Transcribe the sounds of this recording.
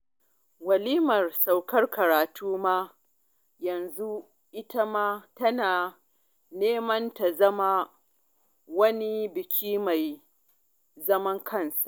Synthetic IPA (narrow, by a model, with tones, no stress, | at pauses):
wɐ˨liː˦mɐ˨rsa˨wkɐ˦rkɐ˨ɾaː˨tʰuː˦maː˦ | jɐ˨nzu˦ | ʔɪ˦ta˦maː˦tɐ˦naː˨ | neː˦mɐ˦nta˨zɐ˦ma˦ | wɐ˦ni˦bɪ˨kʲʰiː˦ma˨j | zɐ˦mɐ˦ŋkʰɐ˦˨nsa˨ʔ